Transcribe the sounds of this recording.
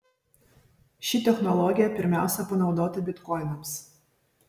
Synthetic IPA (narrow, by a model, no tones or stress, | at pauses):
ʃʲɪt̪ʲɛxnɔlˠɔɡʲɪjɛpʲɪɾʲmʲæˑʊsʲɛpɐnɒʊd̪oːt̪ɐbʲɪt̪kɔɪnɐms